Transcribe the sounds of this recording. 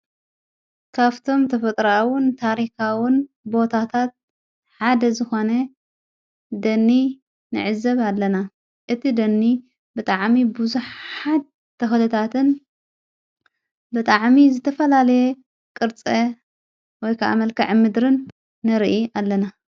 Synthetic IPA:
kʰaβt̪ʰo̞mt̪ʰɐfɐt̪ʼɾawɨnt̪ʰaɾixawɪn | bo̞t̪ʰat̪ʰat̪̚ | ħad̪ɐzɨxo̞nɐ | d̪ɐnːi | nɨ̰ʕɨzɐβalːɐna | ʔɨt̪ʰid̪ɐnːi | bɨt̪ʼaʕmibuzuħħad̪̚ | t̪ʰːɐxlɨt̪ʰat̪ʰɨn | bɨt̪ʼaʕmizɨt̪ʰɐfɐlalɐje | kʼɨɾt͡sʼɐ | wɔjkʰaʔa̰mɐlkɐʕmɨd̪ɾɨnː | ɨɾʔiʔalːɐna

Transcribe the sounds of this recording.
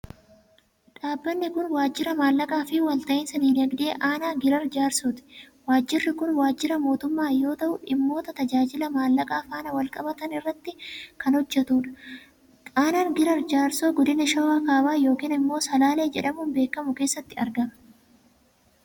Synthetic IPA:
ᶑaːbːɐnːɪkʊnwaːd͡ʒːɪɾɐmaːlːɐkʼaːfɪwɐlt̪ɐʔɪnsɐniːlɐɡd̪ɪḛːʔaːnaːɡɪɾɐɾd͡ʒaːɾsot̪ɪ̥ | waːd͡ʒːɪrːɪkʊnwaːd͡ʒːɪɾɐmo̞ːt̪ʊmːaːjo̞ːt̪ɐʔʊɪmːo̞ːt̪ɐt̪ɐd͡ʒaːd͡ʒɪlɐmaːlːɐkʼaːfaːnɐwɐlkʼɐbɐt̪ɐnɪrːɐt̪ːɪkɐnhɔd͡ʒːɛt̪uːᶑɐ̥ | aːnaːnɡɪɾɐɾd͡ʒaːɾsoːɡɔd̪ɪnɪʃɐwaːkaːbaːjo̞ːkiːnɪmːo̞ːsɐlaːle̞ːd͡ʒɛᶑɐmuːnbe̞ːkːɐmʊke̞ːsːɐt̪ːɪɐɾɡɐmɐ̥

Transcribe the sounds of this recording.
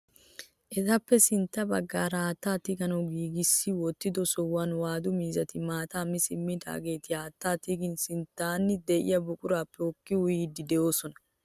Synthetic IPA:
ʔɛt̪ɐpːɛsɪnt̪ːɐbɐɡːaːɾaːt̪ːaːt̪ɪɡɐnɐwɡiːɡɪsːɪwɔt̪ːɪd̪ɔsɔwaːnwaːd̪ʊmiːzɐt̪ɪmaːt̪aːmɪsɪmːɪd̪a̰ːɡe̞ːt̪ɪaːt̪ːaːt̪ɪɡɪnsɪnt̪ːaːnːɪd̪ɛʔɪ̰jɐbʊkʼʊɾaːpːɛɔkːɪwʊjiːd̪ɪd̪ɛʔo̞ːsɔnɐ

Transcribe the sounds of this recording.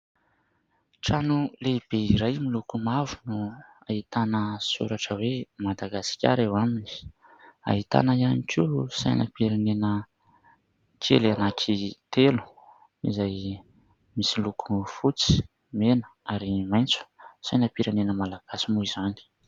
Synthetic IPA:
ʈ͡ʂanuleb̥eiɾajmilukumavunu | ait̪anəsṵɾaʈ͡ʂəwemad̪aɡasi̥kʲa̰ɾewamini̥ | a̰ɦit̪a̰nəianikʰusa̰jna̰piɾanenə | kʰḛlanakʰit̪elu̥ | izaj | misilukʰufut͡si̥ | menə̥aɾimajnt͡su̥sajnapiɾanenəmalaɡ̥asimuizani̥

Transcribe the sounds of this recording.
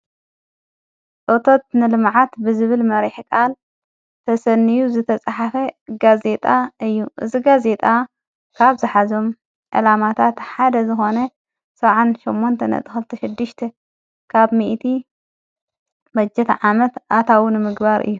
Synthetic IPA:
ʔot̪ʰo̞t̪̚nɨlɨmʕat̪bɨzɨβɨlmɐɾiħkʼal | t̪ʰɐsɐnːijuzɨt̪ʰɐt͡sʼaħafɐɡaze̞t̪ʼaʔɨjːuʔɨ̰ziɡaze̞t̪ʼa | kʰaβzɨħazo̞m | ʔɐ̰lamat̪ʰat̪ħad̪ɐzɨxo̞nɐ | sɐβʕanʃomːont̪ʰɐnɐ̰t̪ʼɨxɨlt̪ʰɐʃɪd̪ːɨʃt̪ʰe | kʰaβmiʔt̪ʰi | bɐd͡ʒːɛt̪ʰʕamɐt̪ʔat̪ʰawunɨmɨɡbaɾʔɨ̰jːu

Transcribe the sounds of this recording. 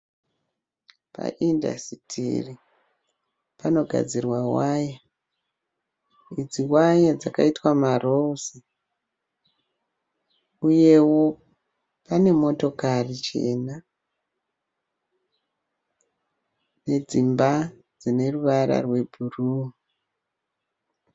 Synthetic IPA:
pa̰ʔinda̰sitʰḭri | pano̞ɡʱa̰d͡zirwawaja | id͡ziwajad͡zakaitwamarousi | uje̞wo̞ | pane̞mo̞to̞karit͡ʃe̞̰na | ne̞d͡zimba | d͡zine̞ruʋaɾa̰rwe̞bʱuruː

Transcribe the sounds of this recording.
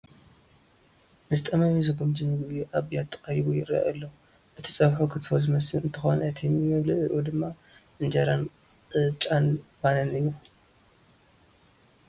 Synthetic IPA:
mɨzɨt̪ʼɐmamizɨɡumd͡ʒʰinɨɡjuʔaβjat̪ʰːɨ̥kʼɐɾiβujɪɾɐ̰ʔɐ̰lːɐ | ʔɨt̪ʰi̥sʼɐβħukʰɨt̪ʰfozɨmɐsɨlɨnt̪ʰɨxonɐt̪ʰimjmɐβlɨʔɨʔud̪ɨmːaʔɨnd͡ʒɐɾanɨt͡ʃʼanbalɐnɨjːu

